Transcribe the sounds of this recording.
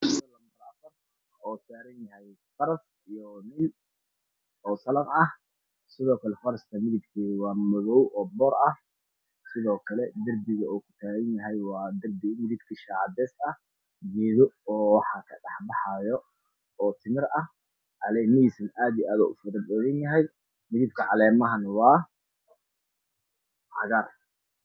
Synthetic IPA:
sɐlɐmbɐɾaːbɐrɐ | ɔːt̪ʰaːɣɐnjɐhɛj | fɐɾɐs | ijɔnɪl | ɔːsɐlɐnɐh | sɪðɔːkʰɐlɛfɐɾɐst̪ʰɐmɪðɪɡkʰiːwɑːmɔɣɔwʔɔːbɔːɾɐh | sɪðɔːkʰɐlɛd̪ɐrbɪɣɐuːkʰʊ̥t̪ʰaːɣɐnjɐɦɛjwɑːd̪ɐrb̪ɪmɪðɪbkʰiʃɑːd̪ɛːsɐh | ɡɛːðɔɔːwɑħɑːkʰɐɖɑħbɑħɑjɔ | ɔːt̪ʰɪmɪrɐh | ʕɑlɛːnɪisɐnʔaːd̪ijaːðɔ̰ːʔʊfɐɾɐbɛɣɐnjɐɦɛj | mɪðɪb̚kʰɐʕɑlɛːmɐɦɐnwɑː | ʕɑɣɐr

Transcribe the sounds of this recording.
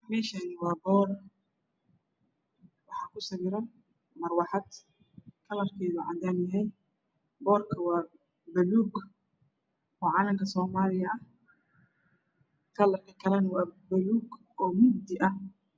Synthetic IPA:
mɛːʃanɪwɑːbɔːr | wɑħɑkʰʊsɐβɪɾɐ | mɐrwɑħɑd̪ | kʰɐlɐrkʰɛːðʊʕɑ̰d̪aːmjɐɦɛj | bɔːrkʰɐwɑː | bɐluːɡ | ʔɔːʕɑːlɐmkʰɐsɔːmaːlɪjɐɐh | kʰɐlɐrkʰɐkʰɐlɐnwɑːbɐluːɡ | ʔɔːmʊɡd̪ɪʔɐh

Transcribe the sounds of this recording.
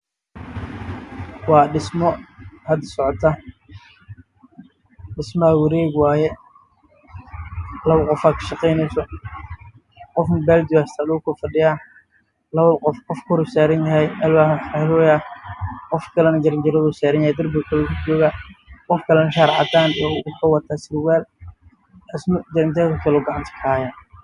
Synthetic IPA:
wɑːɖɪsmɔhɐd̪ɐsɔʕɔt̪ʰɐ | ɖɪsmɐwɐɾɛːɡwɑːjɛ | lɐβɐqɔfaːkʰɐ̥ʃɑqɛjnɛjsɔ | qɔfmbɛːld̪ɪwast̪ʰaːlʊʊkʰʊfɐɖɪjaː | lɐβɐqɔfqɔfkʰɔɾsaːɾɐnjɐɦɛjɛlwaːlɔːja | qɔfkʰɐlɛnɐɡɐɾɐnd͡ʒɐɾɐðʊːsaːɾɐnjahɛjd̪ɐrbɪkʰɐlɔt͡ʃɔːɣaqɔfkʰɐlɛnɐʃaːɾʕɑ̰d̪aːnijɔkʰɐwɑt̪ʰaːsɪɾwɛːl | ɪsmɐɡɐɾɐnd͡ʒɐɾɐðɐkʰɐlɔːɡɑʕɑnt̪ʰɐ̥kʰɐaːja

